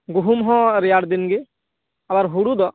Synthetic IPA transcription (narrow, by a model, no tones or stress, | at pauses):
ɡuɦumɦɔ̃ɾijaɽd̪inɡe | abaɾɦuɽud̪ɔ